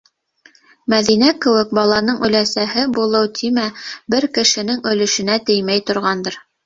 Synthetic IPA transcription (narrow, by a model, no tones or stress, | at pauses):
mæðinækɘ̆wɘk̚bɑlˠɑnɤɴɵ̆læsæɦɘbulˠɤwt̪ʰimæbɘɾkɘ̆ʃɘ̆nɘŋɵ̆lɵ̆ʃɘ̆næt̪ɘjmæjt̪ŏɾʁɑnd̪ɤɾ